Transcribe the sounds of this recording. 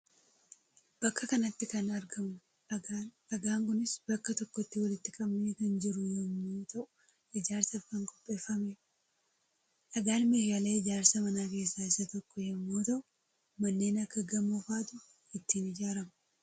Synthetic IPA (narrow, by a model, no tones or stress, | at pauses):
b̥ɐkːɐkɐnɐt̪ːɪkɐnɐɾɡɐmʊ | ɐɡaːŋkʊnɪsb̥ɐkːɐt̪ɔkːɔt̪ːɪwɐlɪt̪ːɪkʼɐbneːkɐnd͡ʒɪɾʊjɛmːoːt̪ɐʔʊ̥ | ɪd͡ʒaːɾsɐɐbɐŋkʼɔ̥pʼːe̞ːfːɐme | ʔɐɡaːnmeːhjɐle̞ːɪd͡ʒaːɾsɐmɐnaːke̞ːsːaːɪsɐt̪ɔkːɔjɐmːoːt̪ɐʔʊ | mɐnːe̞ːnɐkːɐɡɐmːofaːt̪ʊ | ɪt̪ːiːnɪd͡ʒaːɾɐmɐ̥